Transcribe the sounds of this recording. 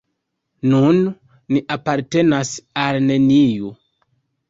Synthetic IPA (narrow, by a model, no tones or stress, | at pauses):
nunː | iʔapaɾte̞nasalne̞niju